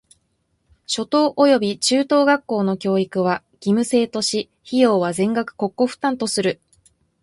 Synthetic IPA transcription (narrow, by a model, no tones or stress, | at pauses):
ɕo̞t̪o̞ːʔojo̞bʲit͡ɕɨːt̪o̞ːɡakːo̞ːno̞kʲo̞ːikɯ̟β̞a | ɡ̥ʲimɯ̟se̞ːt̪o̞ɕi | çijo̞ːβazẽ̞ŋɡakɯ̟̥ko̞kːo̞ɸɯ̟̥t̪ãnt̪o̞sɨɾɯ̟